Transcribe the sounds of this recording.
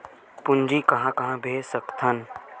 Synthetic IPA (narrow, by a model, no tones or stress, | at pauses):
pʊɲd͡ʒikɐɦãkɐɦãbʱeːsəkt̪ʰɐn